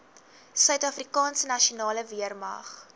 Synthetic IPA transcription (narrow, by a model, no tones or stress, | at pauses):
sœɥtɐfrikɑːnsənɐʃionɑːləviərmɐ̰χ